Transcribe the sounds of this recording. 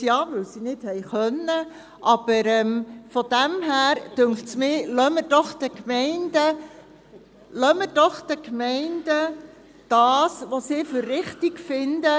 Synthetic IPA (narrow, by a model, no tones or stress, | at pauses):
jɑːʋɵwsinɪd̥hɛjχœnːə | ʔɑb̥əɾɛmfɔd̥æmɦæːɾd̥øŋχtsmɪːlœməd̥ɔχd̥̪əkmɛɪnd̥ə | lœməd̥ɔχd̥̪əkmɛɪnd̥ə | d̥ɑːsʋosɪːføɾːɪχt̪iɡfɪndə